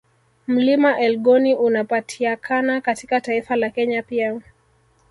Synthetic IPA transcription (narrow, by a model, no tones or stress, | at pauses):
m̩limaʔɛlɠɔniʔunapatʰiakʰanakatikataifalakɛɲapia